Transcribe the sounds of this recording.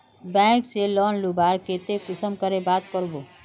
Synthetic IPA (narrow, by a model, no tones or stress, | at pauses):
bɛ̃kselɔnlubaɾket̪ekusəmkəɾebat̪̚kəɾbo